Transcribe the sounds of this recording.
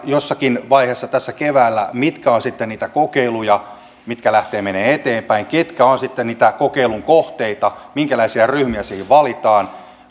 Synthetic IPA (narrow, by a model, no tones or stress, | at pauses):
josːɑkinʋɑiheːsːɑt̪æsːækeʋæːlːæmit̪kæonsit̪ːenniːt̪ækokeilujɑ | mit̪kælæht̪eːmeneːet̪eːmpæiŋket̪kæonsit̪ːenniːt̪ækokeiluŋkoht̪eit̪ɑmiŋkælæisiæryhmiæsehiʋʋɑlit̪ɑːn